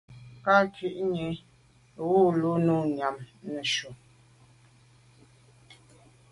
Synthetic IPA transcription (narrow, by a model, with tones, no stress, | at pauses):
ka˦ki˨ʔɲe˨ | ɣo˦lo˦nu˦˨ɲa˨mnə˨ʃu˨